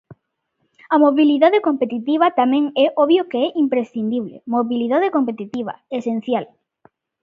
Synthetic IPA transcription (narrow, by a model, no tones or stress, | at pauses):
ɐmoβiliðaðekompet̪it̪iβ̞ɐt̪amɛ̃ŋɛʔɔβjokeɛʔimpɾesθind̪iβlḛmoβiliðaðekompet̪it̪iβɐ̰esen̟θjal